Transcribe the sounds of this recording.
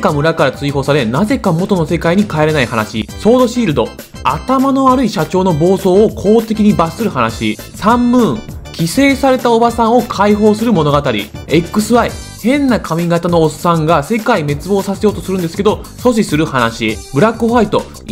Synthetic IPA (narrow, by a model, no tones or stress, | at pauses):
kamɯ̟ɾakaɾat͡sɨiho̞ːsaɾe̞naze̞kamo̞t̪o̞no̞se̞kaiɲ̟ikaeɾe̞naihanaɕḭso̞ːd̪o̞ɕiːɾɯ̟d̪o̞ | a̰t̪amano̞βaɾɯ̟iɕat͡ɕo̞ːno̞bo̞ːso̞ːkʰo̞ːt̪e̞kʲiɲ̟ibasɨɾɯ̟hanaɕi | sãmːɯ̟̃ɴkʲise̞ːsaɾe̞t̪ao̞basãɰ̃o̞kʰaiɦo̞ːsɨɾɯ̟mo̞no̞ɡat̪aɾʲḭe̞kːɯ̟sɨβai | hẽ̞nːakʰamʲiɡat̪anoːsːãŋɡase̞kaime̞t͡sɨbo̞ːsase̞jo̞ːt̪o̞sɨɾɯ̟nd̪sɨ̥ke̞d̪o̞so̞ɕ̬isɨɾɯ̟hanaɕibɯ̟ɾakːɯɸait̪o̞